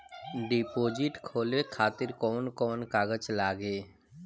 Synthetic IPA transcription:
ɖiːpoːd͡ʒɪʈkʰoːlekʰaːt̪ɪɾkɔːnkɔːnkaːɡət͡ʃlaːɡeː

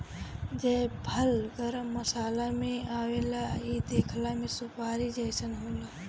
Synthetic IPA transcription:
d͡ʒəbʱəlɡəɾəmːəsaːlameaːwelaid̪ekʰlamesupaːɾid͡ʒəjsənɦoːla

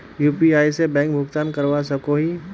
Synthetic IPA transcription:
juːpiaːisebɛ̃ːŋk̚bʱʊɡt̪aːnkəɾʋasɐkoɦi

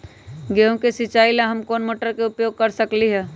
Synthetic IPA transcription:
ɡeõkesɪt͡ʃaːilaɦɐmkoːnmoːʈəɾkeʊpjoːɡ̚kɐɾsɐkliɦɛː

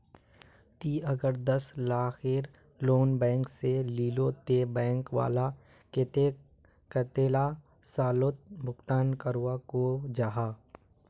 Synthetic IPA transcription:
t̪iːɐɡəɾd̪əslaːxeːɾ | loːnbɛ̃ːŋkseliːlot̪eːbɛ̃ːŋkʋa̰ːla | ket̪e | kət̪eːla | saːlot̪̚bʱʊkt̪aːnkəɾuakod͡ʒaːɦaː

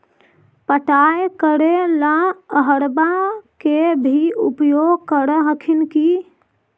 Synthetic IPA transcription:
pəʈajkəɾelaəɦəɾbakebʱiupjoɡkəɾəɦəkʰinki

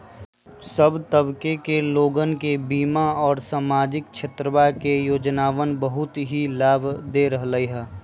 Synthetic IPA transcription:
səbt̪əbkekeloːɡənkebiːmaɔːɾsaːmaːd͡ʒɪk̚t͡ʃʰet̪ɾəʋajkejoːd͡ʒnaːʋənbəɦʊt̪ɦilaːbʱd̪eɾəɦləiɦɛː

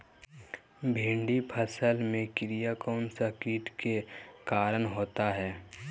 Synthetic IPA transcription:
bʱẽːɳɖipʰəsəlmẽkɪɾijakɔːnsakiːʈkekaːɾəɳɦoːt̪aɦɛː

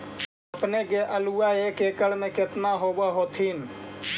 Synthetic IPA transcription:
əpnekeʔəluːaeːkeːkəɽmẽkɪt̪naɦoːbaɦoːt̪ʰiːn

